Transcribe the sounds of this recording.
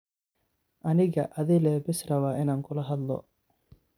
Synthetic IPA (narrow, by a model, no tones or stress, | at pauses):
ʔɐnɪɣɐ̰ʔɐðɪlɛːbɪsrɐwaːɪnaːŋkʰʊlɐɦɐd̪lɔ̰